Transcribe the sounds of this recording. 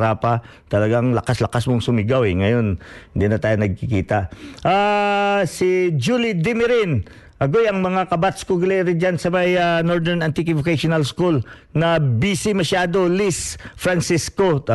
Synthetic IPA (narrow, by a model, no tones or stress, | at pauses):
ɾaːpɐ | t̪ɐlɐɡaŋlɐkaslɐkasmoŋsʊmɪɡawɛŋɐjo̞nhɪnd̪inɐt̪aːjonɐɡ̚kɪkiːt̪ɐʔʔa | sɪd͡ʒulid̪ɪmɪɾɪn | ʔɐɡojɐŋmɐŋakɐbat̪skoɡʊlɛʔɾɪd͡ʒansɐmajanoɹd̪ɛɾnant̪ɪkɪvʊkaʃʊnɐlskul | nɐbisimɐʃaːd̪o̞lisfɾansisko̞